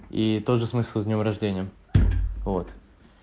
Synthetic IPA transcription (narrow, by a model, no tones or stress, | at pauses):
it̪oʐɨsmɨsʲlˠzʲnʲomɾɐʐdʲenʲɪjəm | vo̞t̪